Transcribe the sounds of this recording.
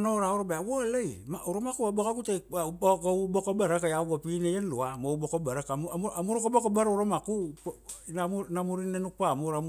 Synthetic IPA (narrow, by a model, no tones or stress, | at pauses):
noɾaoɾobaawolejmauɾomakuabakaɡutekaubokobaɾakajabapinejenloamoubokobaɾakamamamuɾokobokobaɾauɾomaku | namnamuɾinenupamuɾam